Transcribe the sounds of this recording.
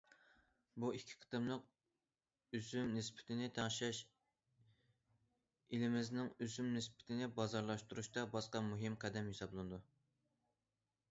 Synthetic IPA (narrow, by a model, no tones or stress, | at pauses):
buikʲʰːi̥qʰə̥t̪ɨmlˠəq̚ | yzymnɪspʰɪ̥t̪ʰɪnɪt̪ʰɑŋʃɛʃ | ilɪmɪznɪŋyzymnɪspɪ̥t̪ʰɪnɪbɑzɑɾlˠɑʃt̪uɾuʃt̪ɑbɑsqɑmuɦɪmqʰæd̪ɛmhisɑblˠɨnɨd̪u